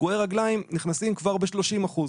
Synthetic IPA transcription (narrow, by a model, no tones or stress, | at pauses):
ɡoeʁaɡlaimniχnasimkvaʁbeʃlo̞ʃimaχuz